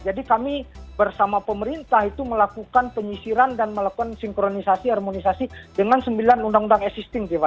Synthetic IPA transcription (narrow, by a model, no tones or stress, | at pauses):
d͡ʒadikamibərsamapəməɾint̪aɦit̪uməlakukanpəɲisiɾandanməlakukansiŋkɾonisasiarmonisasidəŋansəmbilanundaŋundaŋɛsist̪ɪŋd͡ʒiva